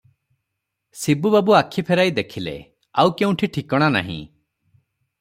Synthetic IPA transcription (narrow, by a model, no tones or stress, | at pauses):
sibubabuakʰːipʰeɾajd̪ekʰilḛ | awkeũʈʰiʈʰikɔɽ̃ana̰ɦḭ̃